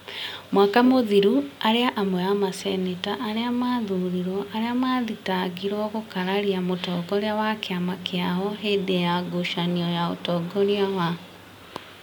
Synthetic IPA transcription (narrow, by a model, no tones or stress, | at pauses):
mwakamoðiɾuaɾeaʔamwɛamasɛnetaʔːɾeamaðuɾiɾɔʔaɾeamaːðitaɡiɾwɔɣokaɾaɾiamotɔːɡɔɾeawakeamakeaɦɔɦedejaɡoʃaniɔjao̰tɔɡɔɾiawa